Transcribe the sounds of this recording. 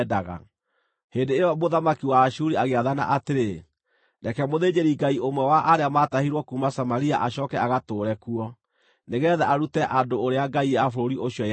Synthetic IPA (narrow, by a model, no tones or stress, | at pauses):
daɣa̰ | heːndeejɔmoðamakiwaʃuɾiaɣeaðana̰ʔateɾe | nakɛmoðed͡ʑeɾiɡaiomwɛwaʔaɾeamatahiɾwɔkumasamaɾia̰ʔaɕɔːkɛaɣatoːɾɛkuɔ | neɣɛðaʔaɾutɛʔandoːɾeaɡaiafoɾoɾiʔoɕiɔ